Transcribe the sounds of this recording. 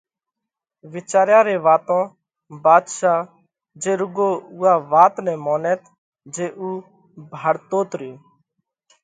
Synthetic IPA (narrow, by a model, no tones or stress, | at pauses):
ʋɪt͡ʃaːɾjãːɾeːʋaːt̪õː | baːd̪ʃaː | d͡ʒeːɾʊɡoːʊːaːʋaːt̪nɛ̃ːmoːnɛːt̪ | d͡ʒeːʔuː | bʱaːɽt̪oːt̪ɾiː